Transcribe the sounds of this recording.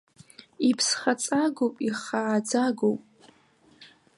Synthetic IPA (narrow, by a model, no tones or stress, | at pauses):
ipʰsχat͡sʼaɡopʼiχaːd͡zaɡowpʼ